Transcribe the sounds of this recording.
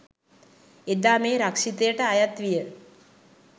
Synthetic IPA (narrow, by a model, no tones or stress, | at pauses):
ed̪aːmeːɾakʂit̪əjəʈəajat̪ʋijə